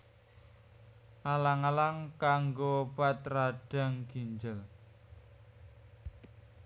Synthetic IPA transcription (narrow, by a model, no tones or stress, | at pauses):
ʔalaŋalaŋkaŋɡobat̪raɖ̥a̤ŋɡ̥iɲd͡ʒəl